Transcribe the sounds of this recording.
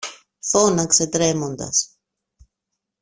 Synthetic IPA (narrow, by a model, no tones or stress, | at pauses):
θonɐkse̞t̪ɾe̞mo̞nd̪ɐ̰s